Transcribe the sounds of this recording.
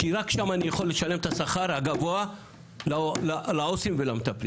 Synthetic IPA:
kiɾakʃamanijaχo̞lːe̞ʃale̞mt̪asaχaɾhaɡavoa | lalalaosimvelamt̪apli

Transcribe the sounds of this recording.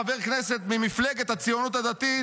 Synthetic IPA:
aveʁkneset̪mimifleɡet̪hat͡sijonut̪had̪at̪i

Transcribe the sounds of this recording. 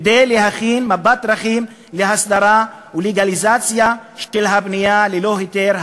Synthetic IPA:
d̪ejleɦaχinmabat̪ɾaχim | leɦasd̪aɾa | uleɡalizat͡sjaʃelɦabnijalelo̞ɦet̪eɾh

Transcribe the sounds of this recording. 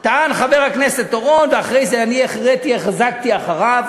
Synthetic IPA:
t̪aʔanχaveʁhakneset̪ːoʁo̞nveaχʁejzeanieχʁet̪ieχzak̚t̪iaχaʁav

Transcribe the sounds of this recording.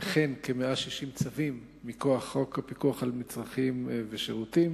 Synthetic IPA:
aχe̞nkemeʔaʃiʃimt͡savimː | ikoaχːo̞kapikuaχalmit͡sʁaχimveʃeʁutim

